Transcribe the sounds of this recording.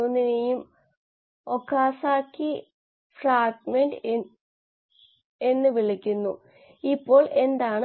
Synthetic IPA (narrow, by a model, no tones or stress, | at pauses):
onːinejum | o̞kːaːsaːkːi | fraːɡmeɳɖɨ | e̞nːɨʋiɭikʲːunːu | ipːo̞ːɭe̞nd̪aːɳɨ